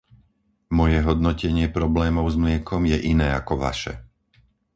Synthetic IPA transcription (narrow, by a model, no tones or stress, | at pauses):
mɔjɛɦɔd̪nɔcɛɲɪɛpɾɔblɛːmɔʊzmlɪɛkʰɔmjɛʔinɛːakɔʋa̰ʃɛ̰